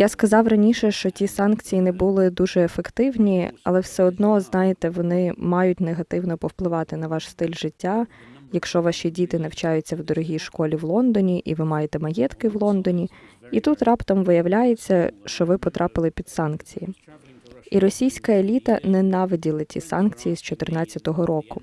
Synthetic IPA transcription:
jaskɐzɑwrɐnʲiʃɛʃt͡ʃɔtʲisɑnkt͡sʲijinɛbulˠɪd̪uʒɛefekt̪ɪwnʲiɐ̰lˠɛwsɛɔd̪nɔznɑjɪt̪ɛʋɔnɪmɑjʊt̚ʲneɦɐt̪ɪwnɔpɔwplˠɪʋɑt̪ɪnɐʋɑʃst̪ɪlʲʒɪtʲːajɐkʃt͡ʃɔʋɑʃʲidʲit̪ɪnɐwt͡ʃajʊt͡sʲːɐwd̪ɔɾɔɦʲijʃkɔlʲiʋlˠɔnd̪ɔnʲiʔiʋɪmɑjet̪ɛmɐjɛt̪kɪʋlˠɔnd̪ɔnʲiit̪ut̪rɑpt̪ɐmʋɪjɐwlʲajet͡sʲːɐʃt͡ʃɔʋɪpɔt̪ɾʔɑpɪlˠɪpʲid̪̥sɑnkt͡sʲiji | iɾɔsʲijsʲkɐelʲit̪ɐnɛnɑʋɪdʲilˠɐtʲḭsɑnkt͡sʲijiz̥t͡ʃɔt̪ɪrnɑt͡sʲːɐt̪ɔɦɔɾɔkʊ

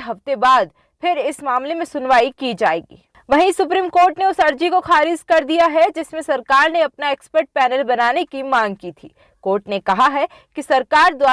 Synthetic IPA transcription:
ɦɐft̪ebaːd̪̚ | pʰɪɾɪsmaːmlemẽsʊnʋaːikid͡ʒaːeːɡḭː | ʋɐɦĩsʊpɾiːmkoːɾʈneʊsɐɾd͡ʒikoxaːɾɪd͡ʒkɐɾd̪ijaɦɛd͡ʒɪsmẽsɐɾkaːɾneɐpnaeːkspəɾʈ̚pɛːnəlbɐnaːnekimãːŋɡ̚kit̪ʰḭː | koːɾʈnekɐɦaɦɛ | kisɐɾkaːɾd̪waː

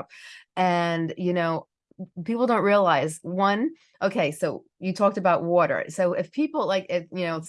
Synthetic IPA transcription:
p̚ʔɨ̃njɨnoʊ | pipl̩ˠdõʊ̃nʔɹiəlaɪzwʌ̃n | ʔoʊkʰeɪsoʊ | jɨtʰɔk̚tɨbaʊʔ̚wɔɾə̰˞soʊʔɪfpʰipl̩ˠlaɪkɪfjɨnoʊ

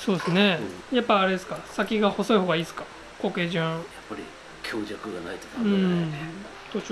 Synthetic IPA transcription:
so̞ːdesɨne̞japːaːɾe̞d̪esɨ̥kasakʲiɡaho̞so̞iho̞ːɡaiːsɨ̥ka | ko̞ːke̞ːʑɨ̃japːaɾʲḭ | kʲʰo̞ːʑakɯ̟ɡana̰it̪ok̪ɯ̟̃ | t̪ot͡ɕ

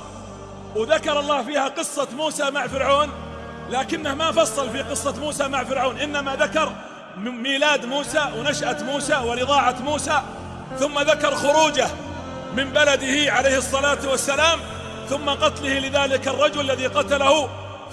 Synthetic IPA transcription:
wðakɑɾˤɑlˤːɑːhfiːhaqɨsˤːɑmuːsamaʕfɪɾʕuːn | laːkɪnːahmafɑsˤːɑlfiːqɨsˤːɑmuːsamaʕfɪɾʕuːnʔɪnːamaðakɑɾˤ | miːlaːd̪muːsaːwnaʃʔat̪muːsawɪnɪðˤɑːʕat̪muːsa | θʊmːaðakɑɾˤxʊɾuːd͡ʒa | mɪmbalad̪ɪhɪʕalejhɨsˤːɑlaːt̪wasːalaːm | θʊmːaqɑt̪lɪhɪlɪðaːlɪkɑrˤːɑd͡ʒʊlalːaðiqɑt̪alahʊ

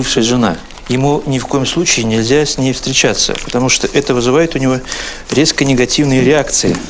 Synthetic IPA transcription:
ɨfʂɨjəʐɨna | jɪmunʲɪfko̞jɪmslˠut͡ɕɪɪnʲɪlʲzʲasʲnʲejfst̪ɾʲɪt͡ɕat̪sːə̰pə̥t̪ɐmuʂt̪oʔɛt̪əvɨzɨvajɪt̪ʊnʲɪvo̞ | ɾʲe̞skənʲɪɡɐtʲivnɨjəɾʲɪakt̪sɨɪ

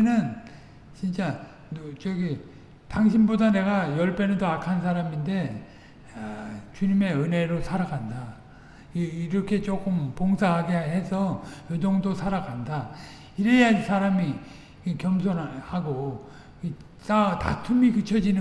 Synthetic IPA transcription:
nɯn | t͡ɕint͡ɕ͈a | nt͡ɕʌɡi | taŋɕ̬ʰinbodane̞ɡajʌɭpʰenɯdoakʰansʰaɾaminde̞ | t͡ɕuɲime̞ɯne̞ɾosʰaɾaɡanda | iɾʌkʰe̞t͡ɕ͈ok͈ɯmpoŋsʰaɦaɡeɦe̞sʰʌjʌd͡ʑʌŋdosʰaɾaɡanda | iɾeasʰaɾami | kjʌms̬ʰonhaɡo | i | tata̰tʰumikɯt͡ɕʰʌd͡ʑinɯ

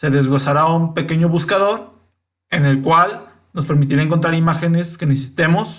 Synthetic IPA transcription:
se̞ðe̞zɣo̞saɾaumpe̞ke̞ɲo̞βuskaðo̞ɾ | e̞ne̞lkwal | no̞spe̞ɾmit̪iɾaeŋko̞nt̪ɾaɾimaxe̞ne̞ske̞ne̞sesi̥t̪e̞mo̞s

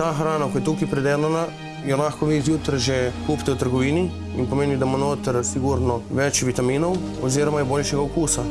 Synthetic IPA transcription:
t̪aːxɾaːnakɔjɛt̪uːkipɾɛd̪eːlana | jɛlaxkɔʋizjuːt̪ɾʒɛkuːpt̪ɛwt̪əɾɡɔʋiːni | inpɔmeːnid̪amonoːt̪əɾsiɡuɾnɔʋɛt͡ʃʋit̪amiːnɔw | ɔ̰ziːɾɔmajɛboːlʃɛɡaɔkuːsa

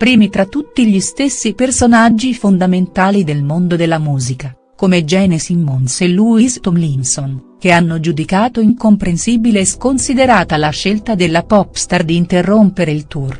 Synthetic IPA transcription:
pɾiːmit̪ɾat̪ːut̪ːiʎist̪esːipersonad͡ʒːifond̪ament̪aːlid̪elmond̪od̪elːamuːzika | komed͡ʒɛːnesimːonseluːist̪omlinsonk̟eanːod͡ʒud̪ikaːt̪oiŋkompɾensiːbileːskonsid̪eɾaːt̪alaʃːelt̪ad̪elːapɔpst̪ard̪iːnt̪erːompeɾeilt̪ur

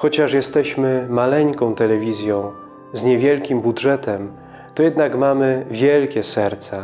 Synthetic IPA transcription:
xɔt͡ɕaʂjɛst̪ɛɕmɘmalɛɲkɔ̃w̃t̪ɛlɛvʲizʲjɔ̃w̃ | zɲɛvʲjɛlkʲimbudʐɛt̪ɛm | t̪ɔjɛd̪nakmamɘvʲjɛlkʲɛsɛɾt̪sa

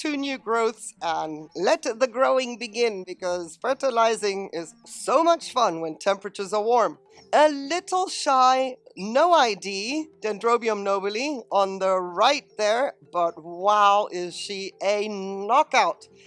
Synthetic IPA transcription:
tʰʉnjʉɡɹoʊθsə̃nlɛt̪̚ðɨɡɹoʊɪ̃ŋbɨɡɪ̃nbɨkʰʌz̥fɜ˞ɾəlaɪzɪ̃ŋɪz̥soʊmʌt͡ʃfʌ̃nwə̃ntʰɛ̃mpɹɨt͡ʃə˞zə˞wɔɹm | əlɪɾl̩ˠʃaɪnoʊaɪdid̥ɛ̃ndɹoʊbiə̃mnoʊbəl̩ˠiə̃nðəɹaɪt̪̚ðə˞b̥ʌt̚waɪʊʔɪz̥ʃiɨnɑkaʊt̚

